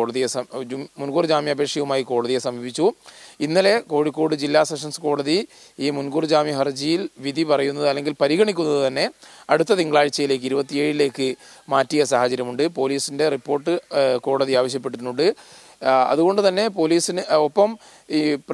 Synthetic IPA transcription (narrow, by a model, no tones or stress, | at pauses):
oɽɐðijesɐmunɡuːrd͡ʑaːmiɐbʱekʂjɐʋumaːjiko̞ːɽɐðijesɐmibit͡ɕːuinːɐle̞ko̞ːɻikːoːɽɨd͡ʑilːaːseʂɐnsɨko̞ːɽɐði | iːmunɡuːrd͡ʑaːmiɦɐrd͡ʑijilʋid̪ʱipɐrɐjunːɐðɨɐlːe̞ŋɡilpɐɾiɣɐɳik̬ʲːunːɐðɨt̪ɐnːe̞ɐɽut̪ːɐt̪iŋɡɐɭaːɻt͡ɕːɐjile̞ːkːɨiɾubɐt̪ːie̞ːɻile̞ːkːɨ | maːtːijɐsaːhɐt͡ɕɐɾjɐmuɳɖɨpo̞ːliːsinderipːo̞ːrʈːɨko̞ːɽɐðiaːʋɐɕ̬jɐp̬ːe̞ʈːunːuɳɖɨ | ɐ̰ðuɣo̞ɳɖɨt̪ɐnːe̞po̞liːsinɨopːɐm | ip